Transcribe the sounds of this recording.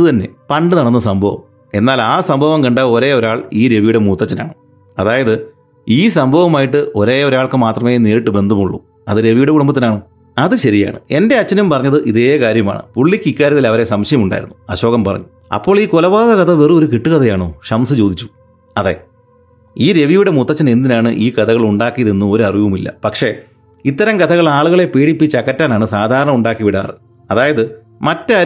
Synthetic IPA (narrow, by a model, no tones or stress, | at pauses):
ɨt̪ɐnːe̞̰pɐɳɖɨnɐɽɐnːɐsɐmbʱɐʋɐ̰m | e̞nːaːlaːsɐmbʱɐʋɐmkɐɳɖao̞ɾe̞ːoɾaːɭiːɾe̞ʋijuɽemuːt̪ːɐt͡ɕːɐna̰ːɳɨ | ɐðaːjɐðɨ | iːs̬ɐmbʱɐʋɐmaːjiʈːɨʔo̞ɾeːoɾaːɭkɨmaːt̪rɐmeːneːɾiʈːɨbe̞nd̪ʱɐmuɭːṵ | ɐðɨɾe̞ʋijuɽekuɽumbɐt̪ːɐnaːɳo | ɐðɨɕɐɾija̰ːɳɨ̰e̞nde̞ɐt͡ɕːɐnumpɐrɐɲːɐðɨʔiðe̞ːkaːɾjɐma̰ːɳɨ̰puɭːikʲːikʲːaːɾjɐt̪ilɐʋɐɾe̞sɐmɕɐjɐmuɳɖa̰jḭɾunːuɐɕo̞ːɣɐmpɐrɐ̰ɲːu | ɐ̰pːo̞ːɭiːkolɐʋaːðɐkɐt̪ʰɐʋerio̞ɾukiʈːɨkɐt̪ʰɐjaːɳo̰ːɕɐmsɨt͡ɕo̞ːd̪it͡ɕːu̥ | ɐðe̞̰ | iːɾe̞ʋijuɽe̞mut̪ːɐt͡ɕːɐne̞nd̪inaːɳɨʔiːkɐt̪ʰɐɣɐɭuɳɖaːkːijɐðenːuo̞ɾuɐriʋumilːɐ̰pɐkʂe̞ | it̪ːɐɾɐmkɐt̪ʰɐɣɐɭaːɭuɣɐɭe̞peːɽipːit͡ɕːɐkːɐtːaːnaːɳɨsaːd̪ʱaːɾɐɳɐmuɳɖaːkːiʋiɽa̰ːrɨ | ɐðaːjɐðɨ | mɐtːɐɐ